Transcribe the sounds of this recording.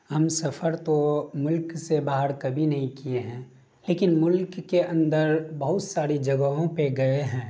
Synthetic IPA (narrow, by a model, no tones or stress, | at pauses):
ɦɐmsɐfʰəɾt̪omʊlksebaːɦəɾkɐbʱinɐɦĩkieɦɛ̃ː | leːkɪnmʊlkːeɐ̃nd̪əɾbɐɦʊt̪saːɾid͡ʒɐɡəɦõpeɡɐeɦɛ̃ː